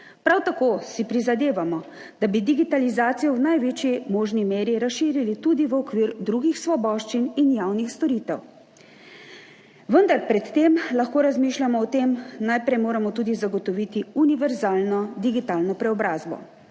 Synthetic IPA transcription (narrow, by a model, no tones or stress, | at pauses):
pɾawt̪akoːsipɾizad̪eːʋamɔ | d̪abid̪iɡit̪alizaːt̪sijɔwnajʋeːt͡ʃimoːʒnimeːɾiɾasʃiːɾilit̪ud̪iʋəɔkʋiːɾd̪ɾuːɡixsʋɔbɔːʃt͡ʃininjawnixst̪ɔɾit̪ɛ̰w | ʋənd̪aɾpɾɛt̪ːemlaxkoːɾazmiːʃlʲamɔːt̪emnajpɾɛjmoːɾamɔt̪uːd̪izaɡɔt̪ɔʋiːt̪iuniʋɛɾzaːlnɔd̪iɡit̪aːlnɔpɾɛɔbɾaːzbɔ̰